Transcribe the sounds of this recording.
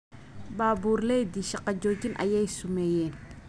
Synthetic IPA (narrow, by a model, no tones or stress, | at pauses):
baːbuːrlɛjd̪iːʃɑqɑd͡ʒɔːt͡ʃinʔɐ̰jɛjsʊmɛːjɛːn